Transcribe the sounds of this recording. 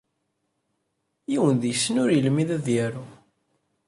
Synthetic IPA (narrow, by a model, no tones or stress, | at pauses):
jiwənðjəsːənʊɾjəlmiðæðjæɾu